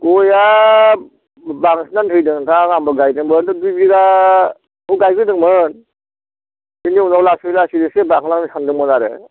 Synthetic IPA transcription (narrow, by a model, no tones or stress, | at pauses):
ɡɔja | baŋsnantʰɯjdɯŋtʰaŋambɯɡajdɯŋbɯndɯdujbiɡa | uɡajɡɯdɯŋmɯn | iniunaklasilasidɯsebakʰlaŋnisʰandɯŋmɯnaɾɯ̰